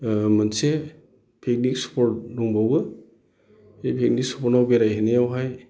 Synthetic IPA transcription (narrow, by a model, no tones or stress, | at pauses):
manse | pʰek̚nik̚spʰɔɾtnuŋbawɡɯ | ejpʰek̚nik̚sɔ̥pʰɔɾnawbeɾajɦenejawɦaj